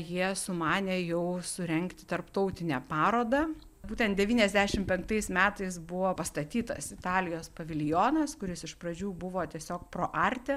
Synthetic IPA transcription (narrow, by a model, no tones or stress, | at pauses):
jiɛsʊmɑːnʲɛːjɛʊsʊɾʲɛŋkt̪ʲɪ̥t̪ɐɾpt̪ɔʊt̪ʲɪnʲɛpɑːɾoːd̪ɐ | buːt̪ʲɛnt̪̚d̪ʲɛʋʲiːnʲɛzʲd̪ʲæʃʲɪmpʲɛŋk̚t̪ɐɪsmʲæːt̪ɐɪs̬bʊʋoːpɐst̪ɐt̪ʲiːt̪ɐ̰sɪt̪ɑːlʲɪjoːspɐʋʲɪlʲjoːnɐskʊɾʲɪsɪʃpɾɐd͡ʒʲuːbʊʋoːt̪ʲiɛsʲoːkpɾoːʔɐɾʲt̪ʲɛ